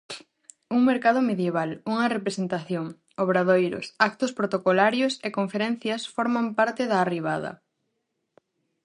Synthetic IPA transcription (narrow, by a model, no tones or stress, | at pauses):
uŋmeɾkað̞ʊmeðjeβ̞aluŋɐrepɾesent̪aθjoŋ | oβɾað̞ojɾʊ̰sak̚t̪ʊspɾot̪okolaɾjʊsekoɱfeɾɛn̟θjɐsfoɾmampaɾt̪ɪðaːriβ̞aðɐ̰